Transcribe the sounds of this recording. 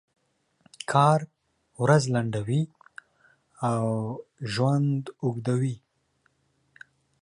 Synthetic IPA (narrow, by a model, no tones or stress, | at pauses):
kʰɑɾ | wɾazlaɳɖawi | awʒwand̪ʊɡd̪awi